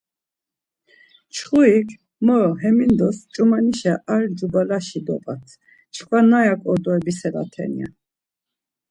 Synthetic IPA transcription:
t͡ʃʰχuikʰ | mɔɦɛmind̪ɔst͡ʃʼumaniʃaʔald͡ʒubalaʃid̪ɔpʼat̪ʰ | t͡ʃʰkʰvanajakʼɔd̪ɔɛbisɛla̰t̪ʰɛ̰nḭa̰

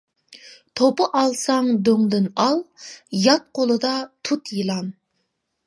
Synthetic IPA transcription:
t̪ʰopəʔɑlˠsɑŋd̪øŋd̪ɪnɑlˠjɑt̪̚qʰolˠɨd̪ɑt̪ʰut̪jɨlˠɑn

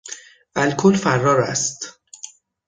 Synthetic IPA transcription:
ʔælkʰolfærːɒːɾæ̰st̪

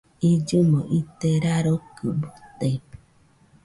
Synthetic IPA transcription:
id͡ʒumoʔit̪eɾaɾokɨbut̪ei

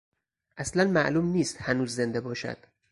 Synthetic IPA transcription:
ʔæslænmæʔluːmniːst̪hænuːzːe̞nd̪ebɒːʃæ̰d̪̥

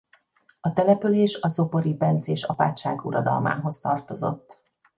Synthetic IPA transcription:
ɒt̪ɛlɛpyleːʃɒzo̞po̞ɾipɛnt̪seːʃɒpa̰ːt̪ʃaːɡuɾɒd̪ɒ̰lma̰ːɦo̞st̪ɒrt̪o̞zo̞̰t̪ː

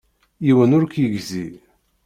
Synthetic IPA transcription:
jiwənʊɾkjəʝzi

